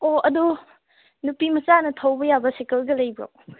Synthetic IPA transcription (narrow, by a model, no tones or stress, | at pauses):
oɐdu | nupimɐt͡ʃanɐtʰɐwbɐjabɐsekɐlɡɐlɐjbɾa̰w